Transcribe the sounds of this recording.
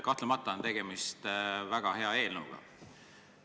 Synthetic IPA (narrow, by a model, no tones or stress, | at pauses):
kɑht̪lemɑt̪ːˑɑont̪e̞ɡ̥e̞mist̪væɡ̥ɑɦe̞ɑe̞ːlnəuɡ̥ɑ̰